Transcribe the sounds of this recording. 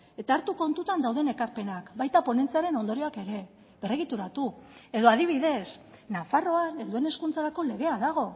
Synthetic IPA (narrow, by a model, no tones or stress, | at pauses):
e̞t̪aːɾt̪uko̞nt̪ut̪and̪awð̞e̞ne̞kaɾpe̞nakbajt̪apo̞ne̞nt͡seaɾe̞no̞nd̪oɾioake̞ɾe̞ | βe̞reɣit̪uɾat̪ue̞ðo̞aðiβ̞iðe̞snafaro̞ane̞nd̪ue̞ne̞skunt͡saɾako̞le̞ɣe̞aðaɣ̞o̞